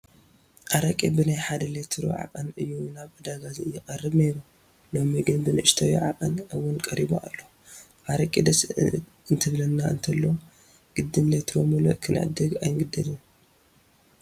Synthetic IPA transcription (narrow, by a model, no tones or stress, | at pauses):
ʔaɾɐkʼibɨnajħad̪ɐlet̪ʰɾo̰ʕa̰qʼɐnɨjːunaβʕɨd̪aɡaziɨjːɪqʼɐrːɨβne̞ɾu | lo̞miɡɨnbɨnʔɨʃt̪ʰawḭʕa̰qʼɐnɨwːʊnkʼɐɾiboa̰lːo | ʔaɾɐkʼid̪ɐs | ɨnt̪ʰɨβlɐnːaɨ̰nt̪ʰɐlːow | ɡ̥ɨd̪ːɨmlet̪ʰɾomulo̰ʔkʰɨnʕɨ̰d̪ɨɡa̰jŋɡɨd̪ɐlɨn